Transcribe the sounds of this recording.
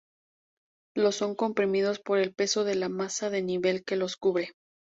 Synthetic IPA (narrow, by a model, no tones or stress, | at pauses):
lo̞sːo̞ŋko̞mpɾimiðo̞spo̞ɾe̞lpe̞so̞ðe̞lamasaðe̞niβe̞lke̞lo̞skuβɾe̞